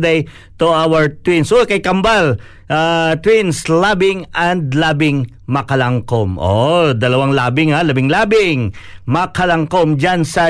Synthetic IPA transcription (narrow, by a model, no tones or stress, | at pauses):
d̪ej | t̪uawəɹt̪winsʔuwɛkɐjkɐmbal | ʔat̪winslabɪŋʔɐnd̪̚labɪŋ | mɐkɐlaŋkomʔod̪ɐlɐwaŋlaːbɪŋhalɐbɪŋlaːbɪŋmɐkɐlɐŋkomd͡ʒansɐ